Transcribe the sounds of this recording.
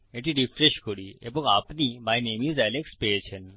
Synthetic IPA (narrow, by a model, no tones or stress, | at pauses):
eʈiɖifʰɾeʃkoɽiḛboŋapnimajnemizɛlekspeet͡ɕʰen